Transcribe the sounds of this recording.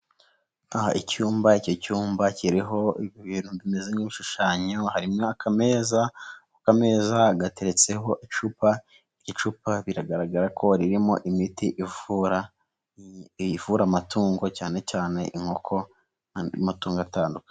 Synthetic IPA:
aha̰icuːmbaico̞cuːmbaciɾiɦo̞iββiːnhuβime̞zemɡiβiʃuʃaːɲo̞haɾimŋoakʰame̞zaukame̞ːzaɡate̞ɾet͡se̞ɦo̞ʔit͡ʃupa | icot͡ʃupaβiɾaɡaɾaɡaɾakʰo̞ɾiɾimo̞̰ʔimitiʔivuɾa | vuɾamatuːŋɡo̞caːne̞caːne̞̰ʔiŋ̥ho̞kʰo̞ | matuːŋɡoataːnduke̥

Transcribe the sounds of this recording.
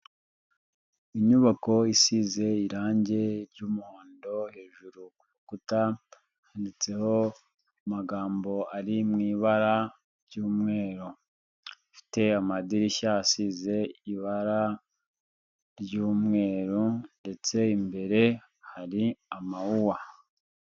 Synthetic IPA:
iɲuβako̞isize̞iɾaːɲɟe̞ɾɟuːmuhoːndo̞he̞ːʒuɾukuβukuta | andit͡se̞ho̞ | maɡaːmbo̞aɾimŋiːβaɾa | ɾɟuːmŋe̞ːɾo | fi̥te̞amadiɾiʃahasize̞iβaɾa | ɾɟuːmŋe̞ːɾunde̞t͡se̞imbe̞ɾe̞ | haɾiamauwa

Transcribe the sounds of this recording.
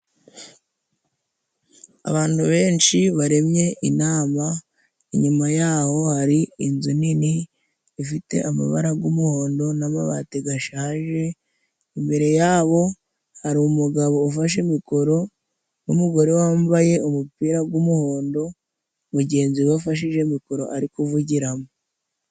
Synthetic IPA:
a̰βaːn̥huβe̞ːnʃiβaɾe̞mje̞inaːma | iɲumajaːho̞haɾiinzuniniː | fite̞̰ʔama̰βa̰ɾaɡumuho̞ːndo̞namaβa̰teɡaʃaːʒe̞ | imbe̞ɾe̞jaːβo̞ | haɾimuɡaβo̞ːfaʃ̬emiko̞ɾo̞ | numuɡo̞ɾewaːmbaje̞umupiːɾaɡwumuho̞ːndo̞ | βuɟe̞ːnziafaʃ̬iʒe̞miko̞ɾo̞̰ʔaɾikuvuɟiɾamo

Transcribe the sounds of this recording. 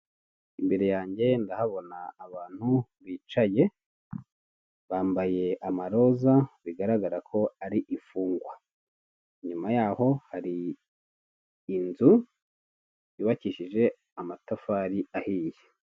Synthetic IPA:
imbe̞ɾe̞jaːɲɟe̞ndahaβo̞naːβaːn̥huβiːt͡ʃaje̞ | βaːmbaje̞ʔamaɾo̞zaβiɡaɾaɡaɾakʰo̞aɾiʔifuːŋɡwa | ɲumajaːho̞haɾi | nzu | iβaciʃiʒe̞ | amatafaːɾiahiːje

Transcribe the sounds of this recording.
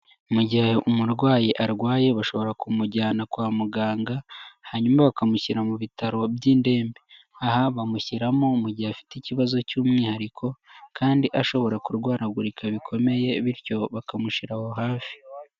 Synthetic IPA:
muɟihaʔumuɾɡwaːjiʔaɾɡwaːje̞βaʃo̞βo̞ɾakumuɟaːnakwaːmuɡaːŋɡahaɲuːmaβakamuçiɾamuβitaɾo̞bjiːnde̞ːmbe | aɦaβamuçiɾamomuɟihafi̥ticiβazo̞cuːmŋiːhaɾikʰo̞kʰaːndiʔaʃo̞βo̞ɾakuɾɡwaːɾaɡuɾikʰaβikʰo̞me̞je̞βiɾjo̞βakamuʃiɾaho̞ɦaːfi̥

